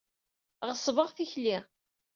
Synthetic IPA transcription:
ʁəsˤvəʁθiçli

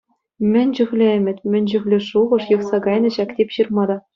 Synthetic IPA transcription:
mʲɘ̆nʲd͡ʑyɣʲlʲɘ̆ɘmʲɘ̆t̪ʲmʲɘ̆nʲd͡ʑyɣlʲɘ̆ʂuʁɤ̆ʂjɤ̆χsɑɡɑjnɤ̆ɕɑkt̪ʲepʲɕɯrmɑd̪ɑ

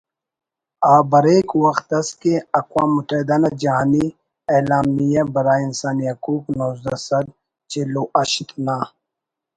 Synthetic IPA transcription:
aːbɐɾeːkwɐxt̪ɐskeɐkwaːmːʊt̪ɐɦid̪anad͡ʒɐɦaːni | elaːmijabɐɾaːinsaːniɦɐkuːknoːzd̪ɐsɐɾ | t͡ʃeloʔɐʃt̪naː

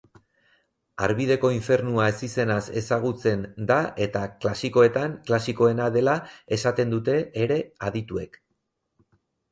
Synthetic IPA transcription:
a̰ɾβið̞e̞ko̞iɱfe̞ɾnuae̞sise̞nase̞saɣ̞ut͡se̞nd̪aʔe̞t̪aklasiko̞e̞t̪aŋklasiko̞e̞naðe̞lae̞sat̪e̞nd̪ut̪e̞ːɾe̞aðit̪ue̞k

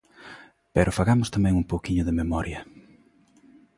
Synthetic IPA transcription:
pɛɾʔʊfaɣamʊst̪amɛ̃ŋumpowkiɲʊðɪmemɔɾjɐ

